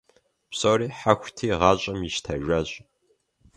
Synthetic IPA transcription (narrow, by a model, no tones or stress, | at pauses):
psowɾiːħaxʷtʰiːʁɑːɕʼɐmiʃtʰɐʒʷɐɕʼ